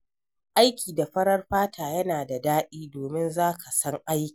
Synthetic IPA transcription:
ʔa˦jkʲʰiː˨da˨ɸɐ˦ɽɐ˦rɸaː˦tʰaː˨jɐ˦naː˨da˨daː˦ɗiː˦doː˨mɪ˦nzaː˦ka˨sɐ˦ŋʔa˦jkʲi̥ː˨

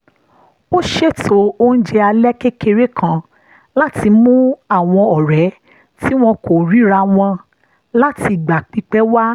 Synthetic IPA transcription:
o˦ʃe˦˨to˨o˦n̩˦d͡ʒɛ˧a˧lɛ˦ke˦ke˧ɾe˦kʰã˨ | la˦ti˧mũ˦a˦˨w̃ɔ̃˧ɔ˨ɾɛ˨˦ | ti˦w̃ɔ̃˧ko˨ɾi˨˦ɾa˧w̃ɔ̃˧ | la˦ti˧˨ɡ͡ba˨k͡pi˨˦k͡pɛ˦wa˦

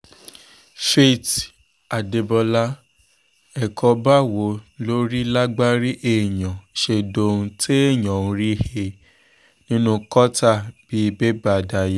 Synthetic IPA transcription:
fe˦˨t | a˨de˧bɔ˧la˦ | ɛ˨kʰɔ˧ba˦˨wo˨˦lo˦ɾi˦la˦ɡ͡ba˦ɾi˦ʔe˦˨jã˨ʃe˧do˧ũ˧tʰe˦e˦˨j̃ɔ̃˨ũ˧ɾi˦he˧ | nĩ˦nũ˦kɔ˦ta˦˨b̥i˦˧be˦ba˦˨da˧˨je˦

